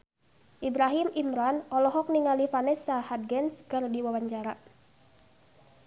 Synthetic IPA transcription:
ʔibɾaɦimimɾanɔlɔɦɔk̚niŋalifanɛsahad̚ɡɛnskərdiwawaɲt͡ʃaɾa

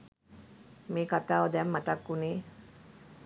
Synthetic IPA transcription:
meːkat̪aːʋəd̪ɛmːat̪akːuniː

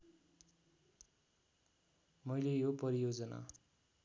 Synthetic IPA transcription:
mʌjlejopʌɾijod͡zʌna̰

